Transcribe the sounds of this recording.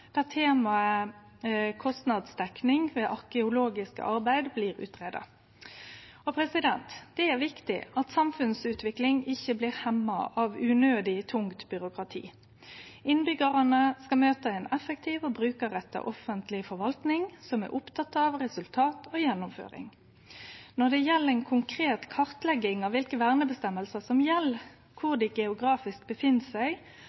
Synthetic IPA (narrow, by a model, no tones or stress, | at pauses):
d̪̥ɛt̪ʰːeːmɑə | kʰɔst̪nɑd̪sd̪ɛknɪŋʋeːʔɑɾkəʊloːɡɪskə̰ʔɑɾbæɪd̪bliːɾʉ̰ːt̪ʰɾɛd̪ɑ̰ | ɔpʰɾɛsɪd̪ɛnt̪d̪̥ɛæɾʋɪkt̪ɪ̰ɑt̪sɑmfʉnsʉːt̪ʰʋɪklɪŋɪçːəbliːɾhɛmːɑ̰ʔɑʋʉnøːd̪ɪt̪ʰʊŋt̪bʏɾʊkɾɑt̪ʰḭː | ɪnbʏɡəɾɑnəskɑmøːt̪əɛnɛfːəkt̪ʰiːʋobɾʉːkəɾɛt̪ːə̰ʔɔfənt̪ʰlɪfɔɾʋɑlt̪nɪŋsɔmæ̰ʔʊpt̪ʰɑt̪ːɑʋʁɛsʉlt̪ʰɑːt̪ʰoːjɛnːʊmfø̰ːɾɪ̰ŋ | nɔd̪ɛjɛlːəɛɪnkʰʊŋkʰɾeːt̪kʰɑʁt̪lɛɡɪŋɑʋʋɪlkəʋæʁnəbəst̪ɛməlsəsɔmjɛlː | kʰʊʁd̪ɪɡɛʊɡɾɑːfɪsk̚bəfɪnːsæɪ